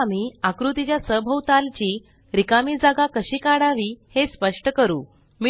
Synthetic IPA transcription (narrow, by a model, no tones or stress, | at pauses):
amiːakɾut̪it͡ɕjasəbʱəwt̪alt͡ɕiː | ɾikamiːd͡zaɡakəɕiːkaɽaʋiːhespəʂʈəkəɾṵː | mi